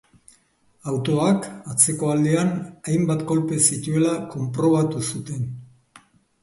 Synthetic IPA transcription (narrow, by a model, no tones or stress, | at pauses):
awt̪o̞akat͡se̞ko̞ald̪eanajmbat̪ko̞lpe̞sit̪ue̞lako̞mpɾo̞β̞at̪usut̪e̞n